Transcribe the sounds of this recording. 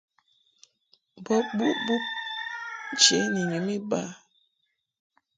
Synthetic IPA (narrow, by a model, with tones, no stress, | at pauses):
bɔ˦bu˦ʔbu˦p̚ | n̩˦t͡ʃe˨˦ni˨ɲu˨˦mi˦ba˦˨